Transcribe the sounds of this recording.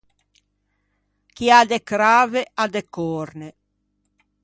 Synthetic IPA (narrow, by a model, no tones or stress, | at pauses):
kiad̪ekɾaːvead̪ekɔɾne